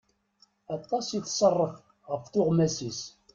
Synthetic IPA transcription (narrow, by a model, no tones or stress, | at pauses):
ɑt̪ˤːɑsiθsˤərˤːəf | ʁəfθʊʁmæsis